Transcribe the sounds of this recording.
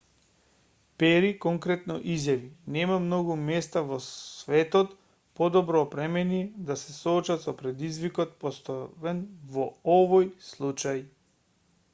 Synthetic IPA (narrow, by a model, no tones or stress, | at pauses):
pɛɾikɔŋkɾɛt̪nɔ̰ʔizjavinɛmamnoɡumɛst̪avɔvɛt̪ɔt̪ | pɔd̪ɔbɾɔːpɾɛmɛnid̪asɛsɔːt͡ʃat̪sɔpɾɛd̪izvikɔt̪̚pɔst̪ɔvɛnvɔɔvojslˠut͡ʃaj